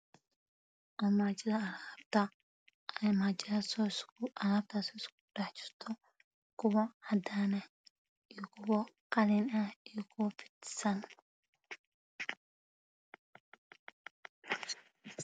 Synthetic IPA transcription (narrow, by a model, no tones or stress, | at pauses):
ʔɔːmaːt͡ʃɪðɐɐlaːbt̪ʰɐ | ʔɛjmat͡ʃasɔsʔɐlaːb̚t̪ʰasɔɪskʊ̥ɖɛħt͡ʃɪ̥rt̪ʰɔ | kʰʊwɐhɐd̪aːnɐ | ijkʰʊwɐqɑlɪnɐhijɔkʰʊwɐfɪ̥t̪sɐn